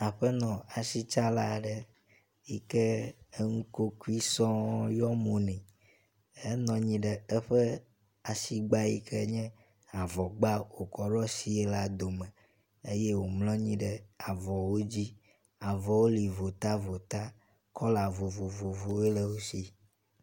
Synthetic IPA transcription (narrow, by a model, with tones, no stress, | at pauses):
a˨ɸɛ˦nɔ̃˨a˨si˦t͡ʃa˦la˦ɖə˦ | ji˦kɛ˦ŋu˦ko˦ku˦i˦sɔ̃˦jɔ˦mũ˨nɛ̃˨ | e˦nɔ̃˨ɲĩ˦ɖɛ˨ɛ˦ɸɛ˦ | a˨si˦ɡ͡ba˦ji˦kʰɛ˦ɲɛ̃˦ | a˨vɔ˨ɡ͡ba˦wo˨kɔ˨ɖɔ˦si˨e˦la˦d̪o˨mɛ̃˨ | e˦je˦wo˨ml̃ɔ̃˦ɲĩ˦ɖɛ˦a˨vɔ˨wo˦d͡ʑi˦ | a˨vɔ˨wo˦li˨vo˨t̪a˦vo˨t̪a˦ | kɔ˦la˨vo˨vo˨vo˨vo˨e˦lɛ˦wo˦si˦